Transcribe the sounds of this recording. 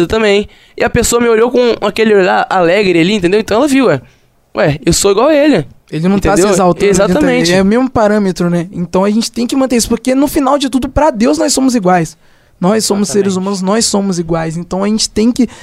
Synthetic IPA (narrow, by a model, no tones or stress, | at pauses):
d̪ɐt̪ɐ̃mbẽj̃ | ɪ̰ɐpesoɐmɪoʎokõakelɪoʎaɾalɛɡɾɪaliẽt̪ẽnd̪ewẽt̪ɐ̃w̃ɛlɐviwɛ | ɛewsoiɡwawɐelɪ | elɪnɐ̃w̃t̪ad̪ewezawt̪ɐ̃zat̪ĩɐmmẽt͡ʃɛʊmezmʊpaɾɐ̃met̪ɾʊnɛẽnt̪ɐ̃w̃ɐʒẽnt͡ʃɪ̥t̪ẽj̃kɪmɐ̃nt̪eɾisʊ̥poɾkenʊfinawd͡ʒɪt̪ud̪ʊpɾɐd̪ewznɔjsːõmʊziɡwajs | nɔjssːõmʊseɾɪzumɐ̃nʊznɔjsõmʊziɡwajsẽnt̪ɐ̃w̃ɐʒẽnt͡ʃɪ̥t̪ẽj̃kɪ